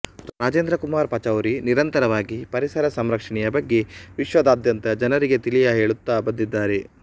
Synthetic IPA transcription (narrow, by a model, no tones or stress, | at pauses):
ɾaːd͡ʒeːnd̪ɾɐkumaːɾpɐt͡ʃɐwɾiniɾɐnt̪ɐɾɐʋaːɡipɐɾisɐɾɐsɐmɾɐkʂɐɳɛjɐbɐɡːe̞ʋiʃʋɐd̪aːd̪jɐnt̪ɐd͡ʒɐnɐɾiɡet̪ilijɐɦeːɭut̪ːaːbɐd̪ːid̪ːaːɾe